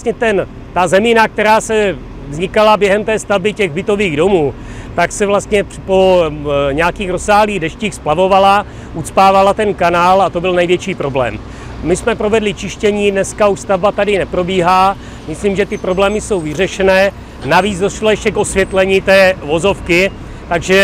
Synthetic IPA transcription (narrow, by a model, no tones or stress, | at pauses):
sɲɛt̪ɛn | t̪azɛminak̚t̪ɛɾaːsɛ | vzɲɪkalabjɛɦɛmt̪ɛːst̪avbɪcɛɣbɪt̪o̞viːɣdo̞muː | t̪aksɛvlast̪ɲɛpo̞ɲɛakiːxɾo̞saːɦliːɣdɛʃciːxsplavo̞vala | ʔut͡spaːvalat̪ɛnkanaːlat̪o̞bɪlnɛjvjɛt͡ʃiːpɾo̞blɛ̰ːm | mɪsmɛpɾo̞vɛdlɪt͡ʃɪʃcɛɲiːdnɛskauʃst̪avbat̪adɪnɛpɾo̞biːɦa | mɪsliːmʒɛt̪ɪpɾo̞blɛːmɪso̞wvɪr̝ɛʃɛnɛː | naviːt͡sdoʃlajɛʃcɛkʔosvjɛt̪lɛɲiːt̪ɛːvo̞zo̞fkɪ | t̪aɡʒɛ